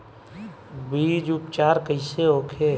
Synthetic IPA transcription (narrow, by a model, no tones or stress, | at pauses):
biːd͡ʒʊpt͡ʃaːɾkəɪseɦoːkʰe